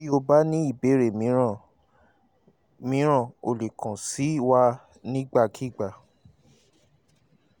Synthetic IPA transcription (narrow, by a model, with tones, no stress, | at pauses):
i˦o˧ba˦nĩ˦i˦˨be˨˦ɾe˦˨mĩ˨˦ã˨ | mĩ˨˦ɾ̃ã˦˨o˨le˨kʰã˨si˨˦wa˦ | nĩ˦ɡ͡ba˦˧kʰi˦˨ɡ͡ba˨